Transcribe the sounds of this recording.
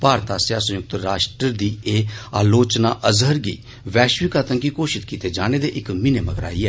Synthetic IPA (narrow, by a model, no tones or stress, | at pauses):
paːɾt̪aːsjaːsə̃jʊk̚t̪ɾaːʃʈɾəɾd̪iːeːaːloːt͡ʃnaːʔəzɦəɾɡḭː | ʋɛːʃʋɪkaːt̪ənkiːkoːʃɪt̪kiːt̪eːd͡ʒaːneːd̪eːʔɪkmɪneməɡɾa̰ːiːɛː